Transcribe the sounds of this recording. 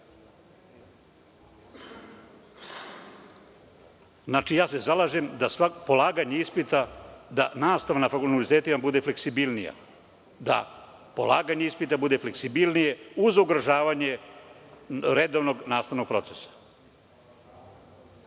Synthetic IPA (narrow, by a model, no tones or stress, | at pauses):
znaːt͡ʃijaːsezalˠaːʒe̞md̪asʋapo̞lˠaːɡaɲeispit̪ad̪a̰naːst̪aʋanafakulnulit̪eːt̪imabud̪e̞fle̞ksibilnija̰ | d̪a̰ | po̞̰lˠaːɡaɲe̞ispit̪abud̪e̞fle̞ksibilˠnije̞uzuɡɾaʒaːʋaɲe̞ | ɾe̞d̪o̞ʋno̞ɡnaːst̪aʋno̞ɡ̚pɾo̞t̪sesḁ